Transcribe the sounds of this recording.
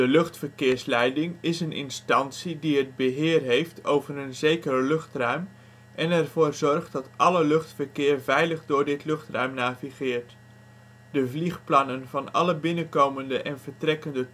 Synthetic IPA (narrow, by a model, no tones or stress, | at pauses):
dəlɵχtfəɹkɪːɹslɛjdɪŋɪsənɪ̰nstɑntsidiɦəd̚bəɦɪːrɦejftʰowvərənzejkərəlɵχtrœɥm | ʔɛnɛɹvoːɹzɔɹχt̚dɑtʔɑləlɵχtfəɹkɪːɹvɛjləχdʊːɹdɪtlɵχtrœ̰ɥmnaːviχɪːɹt | d̥əvliχplɑnənvɑnɑ̰ləbɪnəkowməndəʔɛnvəɹtrɛkəndə